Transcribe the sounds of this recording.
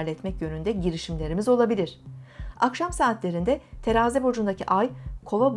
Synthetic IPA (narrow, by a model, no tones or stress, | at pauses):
ɾlʲɛt̪mɛcjø̞nynd̪ɛɟiɾiʃimlʲe̞ɾimizo̞lˠabilʲiɾ̝̥akʃamsaːt̪lʲe̞ɾind̪ɛt̪ʰe̞ɾaːzɛbo̞d͡ʒund̪acʰiʔajkʰo̞lˠob